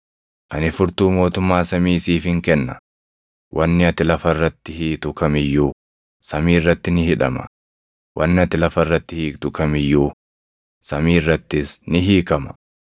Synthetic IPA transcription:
ʔɐnɪfʊɾt̪uːmo̞ːt̪ʊmːaːsɐmiːsiːfɪŋkɛnːɐ | wʔɐnːɪɐt̪ɪlɐfɐrːɐt̪ːɪhiːt̪ʊkɐmɪjːuː | sɐmiːrːɐt̪ːɪnɪhɪᶑɐmɐ̰ | wʔɐnːɐt̪ɪlɐfɐrːɐt̪ːɪhiːkt̪ʊkɐmɪjːuː | sɐmiːrːɐt̪ːɪsnɪɦiːkɐmɐ̥

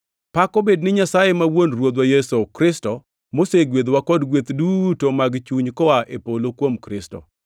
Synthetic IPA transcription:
pakobednɪɲasajemawonrwod̪wajesokɾɪstɔ | moseɡwed̪wakɔdɡwet̪dutomaɡt͡ʃuɲkɔaʔepolokwomkɾɪsto̰

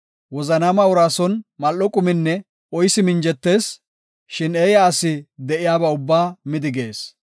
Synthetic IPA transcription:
wɔzɐnaːmɐʊɾaːsɔnmɐlːɔkʼʊmɪnːɛ | ɔjsɪmɪnd͡ʒɛt̪ːe̞ːs | ʃɪneːjaːsɪd̪ɛʔɪjaːbɐʊbːaːmɪd̪ɪɡe̞ːs

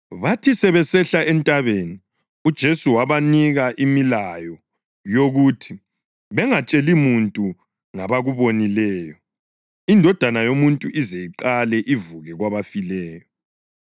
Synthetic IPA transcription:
βatʰisɛβɛsɛɬaʔɛntʼaβeni | ud̥ʒ̥ʱesuwaβaniɣaʔimilajɔ | joɣutʰi | βɛŋat͡ʃʼelimuntʼu | ŋaβaɣuβonilɛːjɔ | indʱɔd̥ʱanajomuntʼuʔizejiǃalɛʔivuɣɛɣwaβafilɛːjɔ

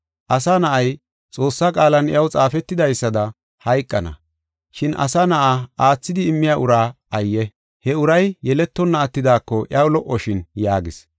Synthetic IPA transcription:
ʔɐsɐnɐʔɐj | t͡sʼo̞ːsːɐkʼaːlɐnɪjɐwt͡sʼaːfɛt̪ːɪd̪ɐjsːɐd̪ɐ | hɐjkʼːɐnɐ̰ | ʃɪnɐ̰sɐnɐʔaaːt͡sːɪd̪ɪːmːɪjaːʔʊɾaː | ɐjːɛ | hɛʊɾɐjjɛlɛt̪ːɔnːɐːt̪ːɪd̪aːkːɔʔɪɐwlɔʔːɔʃɪnjaːɡɪs

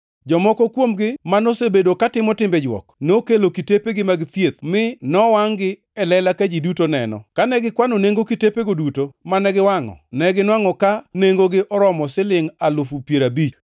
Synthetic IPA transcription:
d͡ʒɔmɔkɔkwomɡɪmanosebedokatɪmɔtɪmbɛd͡ʒwɔ̰knokelokitepeɡɪmaɡɪt̪jet̪̚mɪnɔwaŋɡɪ | ɛlɛlakad͡ʒidutonɛ̰nɔ̰kanɛɡɪkwanoneŋɡokitepeɡodutomanɛɡɪwaŋɔ̰nɛɡɪnwaŋɔkaneŋɡoɡɪʔɔɾɔmɔsɪlɪŋalʊfupjeɾabit͡ʃ

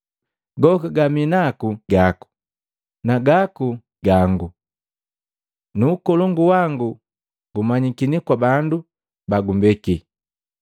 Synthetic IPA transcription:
ɡɔkaɡaminakuɡaku̥ | naɡaku | ɡaŋɡu | nuːkɔlɔŋɡuwaŋɡu | ɡumaɲikinikwabandu | baɡumbɛki

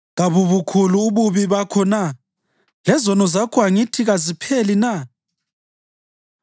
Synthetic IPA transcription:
ɣaβuβukʰuluːβuβiβakʰɔna | lɛzɔnɔzakʰʼwaŋitʰiɣazipʰelina

